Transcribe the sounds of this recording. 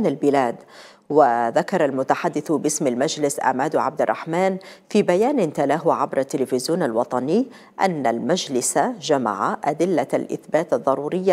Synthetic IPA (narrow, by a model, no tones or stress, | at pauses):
nalbɪlaːd̪ | wɪðakɑɾˤɑlmʊt̪aħad̪ːɪθbɪsmalmad͡ʒlɪsʔa̰ʕmaːd̪ʕa̰b̚d̪ɪrˤːɑ̰ħmaːnfiːbajaːnɪnt̪alaːɦuʕabɾˤat̪ːɪlɪfɪzjuːnalwɑt̪ˤɑnɪː | ʔa̰nːalmad͡ʒlɪsad͡ʒama̰ʕaʔad̪ɪlːalʔɪ̰θbaːt̪ɑðˤːɑɾˤuːɾɪjːa